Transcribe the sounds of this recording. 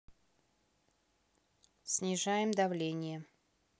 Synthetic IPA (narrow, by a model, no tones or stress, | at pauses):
sʲnʲɪʐajɪmd̪ɐvlʲenʲɪjə